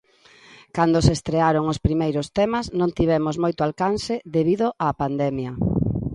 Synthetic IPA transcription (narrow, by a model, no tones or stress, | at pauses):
kand̪ʊsest̪ɾeaɾoŋʊspɾimejɾʊst̪ɛmɐznõnt̪iβ̞ɛmozmojt̪ʊalkanseðeβiðoʔaːpand̪ɛmjɐ